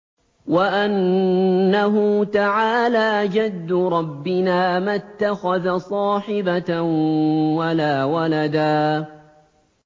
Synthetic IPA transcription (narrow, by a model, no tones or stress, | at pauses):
waʔanː | aɦʊt̪aʕaːlaːʔd͡ʒad̪ːʊɾˤɑbːɪnaːmat̪ːaxaðasˤɑːħɪba | walaːwalad̪aː